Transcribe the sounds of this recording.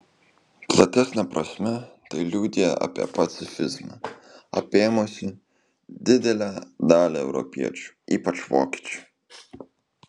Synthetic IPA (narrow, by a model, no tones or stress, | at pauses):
zat̪ɛsnapɾɔsʲmɛt̪ajlʲud̪iaa̰pɛ̰pat̪sifɪzmaa̰pemɔsʲi | d̪ɪd̪ɛlad̪aːlɛwɾɔ̰pjɛ̰t͡ʃ | ipat͡ʃvɔ̰ki̥t͡ʃ